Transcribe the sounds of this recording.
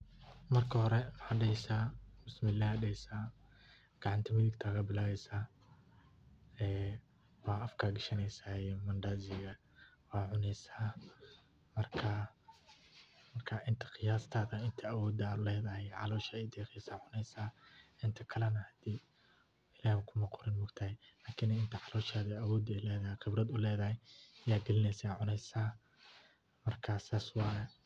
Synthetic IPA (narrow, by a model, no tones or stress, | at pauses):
mɐrkʰɐhɔɾɛmɐħaːɖɛjsaːbɪsmɪlːaːhɖɛjsaː | ɡ̥ɑʕɑnt̪ʰɐmɪðɪɡt̪ʰɐɣɐbɪlaːβɛjsaː | ɛː | wɑːɐfkʰaːɡɪʃɐnɛjsaːmɐnd̪aːzɪɣɐ | wɑːʕʊnɛjsaː | mɐrkʰa | mɐrkʰɐʔɪnt̪ʰɐ̥qɪjaːst̪ʰaːðɐɪnt̪ʰɐːwɔːd̪ɐʊlɛːðɐhɛjʕɑlɔːʃaːɛd̪ɛːqisaːʕʊnɛjsaːɪnt̪ʰɐkʰɐlɛnɐhɐd̪̥iː | ɪlaːhɐkʰʊmɐqɔɾɪnmʊɡt̪ʰɐhɛlaːkʰɪnɐɪnt̪ʰɐʕɑlɔːʃaːðɛawɔːd̪ɛlɛːðɐhɛqɪbrɐd̪ʊlɛːðɐhɛjɐjaːɡɛlɪnɛsaʕʊnɛjsaː | mɐrkʰasaːswɑːjɛ